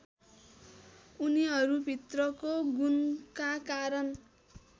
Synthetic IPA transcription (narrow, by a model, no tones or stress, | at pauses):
uniɦʌɾubʱit̪rʌkoɡunkakaɾʌn